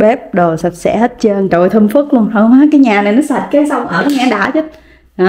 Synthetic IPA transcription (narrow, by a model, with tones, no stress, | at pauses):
ɓɛ˦˥p̚ɗo˨˩jsa˨˩p̚sɛ̰˧˥he˦˥t̚t͡ɕəː˧nt͡ɕo̰˧˨jt̪ʰə˧mfɨ˦˥k̚lu˧ənhəː˧ŋ͡mʔaː˨˦kaː˨˦jɲaː˨˩na˨˩jnɔ˨˦sa˨˩t̚kaː˨˦jsa˧wŋ͡mʔəː˧˩kaː˨˦jɲaː˨˩ɗa̰ː˧˩t͡ɕə˦˥t̚ | ʔaː˨˩